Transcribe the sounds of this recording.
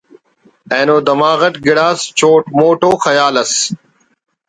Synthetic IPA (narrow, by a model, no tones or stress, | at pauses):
ẽːnoːd̪ɐmaːɣɐʈɡɪɽaːst͡ɕoːʈmoːʈoːxɐjaːlɐs